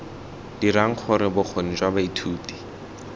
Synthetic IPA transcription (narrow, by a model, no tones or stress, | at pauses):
d̥iɾaŋ̩k͡xʰʊɾɪbʊk͡xʰon̩d͡ʒwabaitʰuːti̥